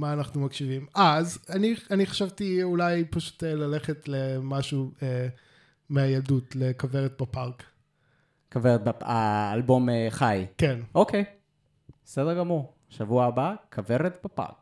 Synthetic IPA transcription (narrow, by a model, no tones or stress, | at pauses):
maːnaχnumakʃivimazanianiχḁʃavtiulajpaʃu̥telale̞χetlemaʃue | meajaldutlekaveʁet̚bapaʁk | kaveʁet̪̚baaːlbo̞meχajkenʔokʰej | sɛdeɡamuʁ | ʃavuaabaakʰaveʁet̪bapa̰ʁk